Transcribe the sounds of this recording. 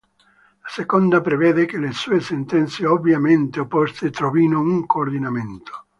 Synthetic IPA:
lasekond̪apɾevɛːd̪ekelesuːesent̪ɛnt̪seovjament̪eopːɔst̪et̪ɾovinouŋkoːrd̪inament̪o̥

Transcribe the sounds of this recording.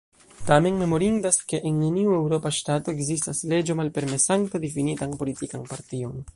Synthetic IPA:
tame̞nme̞mo̞ɾindaske̞ʔenːe̞niue̞wɾo̞paʃtato̞eɡzistasle̞d͡ʒo̞malpe̞ɾme̞saŋtadifinitanpo̞litikanpaɾtio̞n

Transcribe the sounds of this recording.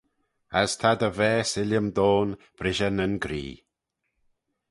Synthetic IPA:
əst̪ʰad̪əvɛːsɪləmd̪oːn | b̥ɾɪʒənənɡɾḭː

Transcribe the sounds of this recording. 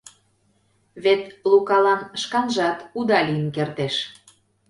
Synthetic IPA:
βet̪lukɑlɑnʃkɑnʒɑt̪ud̪ɑlʲiənkert̪eʃ

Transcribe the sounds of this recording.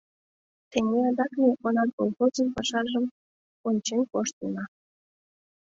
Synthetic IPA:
t̪eŋeɑd̪ɑknʲeʔonɑt̪bolˠxozənpɑʃɑʒəm | onʲt͡ɕenkoʃt̪ənɑ

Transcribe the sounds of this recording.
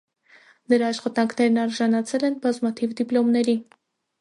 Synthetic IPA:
nəɾɑːʃχɑt̪ɑŋkʰnɛɾnɑɾʒɑnɑt͡sʰɛlɛnbɑzmɑt̪ʰivd̪iplɔmnɛɾi

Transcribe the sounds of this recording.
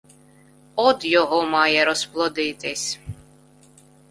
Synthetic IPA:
ɔd̪jɔɦɔmɑjɛɾɔsplˠɔd̪ɪt̪ɪsʲ

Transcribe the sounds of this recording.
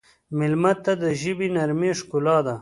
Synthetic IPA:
mɪlmat̪ːad̪əʒibinaɾmeʂkulɑd̪a

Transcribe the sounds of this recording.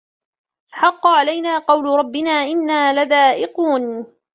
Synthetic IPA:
ʔħɑqːɑʕalajnaːqɑwlʊɾˤɑbːɪnaːʔɪnːaːlaðaːʔɪquːn

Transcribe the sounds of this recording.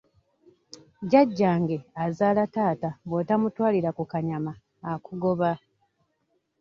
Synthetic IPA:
ɟaɟːaːŋɡe̞azaːlataːtabwotamutwaːliɾakukaɲamaː | kuɡo̞βa

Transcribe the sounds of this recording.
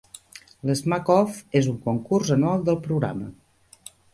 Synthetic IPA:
ləzmakɔfezuŋkoŋkurzənualˠd̪əlˠpɾuɣɾa̰mə̰

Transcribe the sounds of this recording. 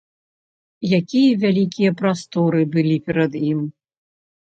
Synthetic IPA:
jakʲijɐvʲalʲikʲijɐpɾast̪ɔɾɨbɨlʲipʲɛɾɐd̪im

